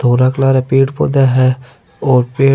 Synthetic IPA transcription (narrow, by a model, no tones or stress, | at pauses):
t̪ʰoːɾaːklaːɾaːpeːʈpo̰ːd̪aːɦɛː | oːɾpeː